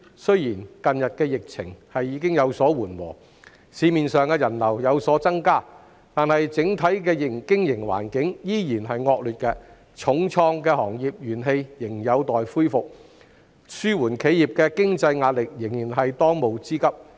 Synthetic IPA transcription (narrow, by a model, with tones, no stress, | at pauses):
sɵ˥ɥjiː˨˩nkɐ˨njɐ˨t̚kɛː˧jɪ˨k̚t͡sʰɪ̰˨˩ŋhɐ˨jːiː˨˧kɪ˥ŋjɐ˨˧wsɔː˨˥wuː˨˩nwɔ̰ː˨˩ | siː˨˧miː˨nsœː˨ŋkɛː˧jɐ˨˩nlɐ˨˩wjɐ˨˧wsɔː˨˥t͡sɐ˥ŋkaː˥ | t̪aː˨nhɐ˨jt͡sɪ˨˥ŋt̪ʰɐ˨˥jkɛː˧jɪ˨˩ŋkɪ˥ŋjɪ˨˩ŋwa̰ː˨˩nkɪ˨˥ŋjiː˥jiː˨˩nɦɐ˨jŋɔː˧k̚lyː˨t̚kɛː˧ | t͡ʃʰʊ˨˥ŋt͡sʰɔː˧ŋkɛː˧hɔː˨˩ŋjiː˨p̚jyː˨˩nɦe˧jjɪ˨˩ŋjɐ˨˧wt̪ɔː˨jfuː˥jfʊ˨k̚ | syː˥wuː˨˩nkʰe˨˥jiː˨p̚kɛː˧kɪ˥ŋt͡sɐ˧jŋaː˧t̚lɪ˨k̚jɪ˨˩ŋjiː˨˩nɦɐ˨jt̪ɔː˥ŋmo˨wt͡siː˥kɐ˥p̚